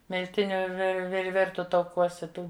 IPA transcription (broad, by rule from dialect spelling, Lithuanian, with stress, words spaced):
mʲɪlʲˈtʲɪnʲʊ ʋʲɪr ʋʲɪr ˈʋʲɪrtʊ tɐʊˈkuɔsʲɛ ˈtuː